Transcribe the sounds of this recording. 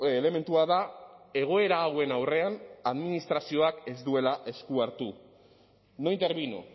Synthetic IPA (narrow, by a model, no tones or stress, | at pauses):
le̞me̞nt̪uaðae̞ɣ̞o̞e̞ɾaːwe̞nawre̞anaðminist̪ɾasio̞ake̞zd̪ue̞laʔe̞skuaɾt̪u | no̞jnt̪e̞ɾβino̰